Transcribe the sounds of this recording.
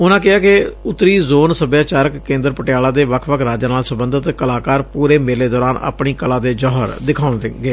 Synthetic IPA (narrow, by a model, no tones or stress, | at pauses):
ʊnãːkɪaːkɪʊt̪ːɾiːzoːnsəbjaːt͡ʃaːɾəkːẽːnd̪əɾpəʈɪjaːlaːd̪eːʋəkʰʋəkʰɾaːd͡ʒãːnaːlsəbənd̪ət̪kəlaːkaːɾpuːɾeːmeːleːd̪ɔːɾaːna̰ːpɳiːkəlaːd̪eːd͡ʒɔːɦəɾd̪ɪkʰaːʊnɡeː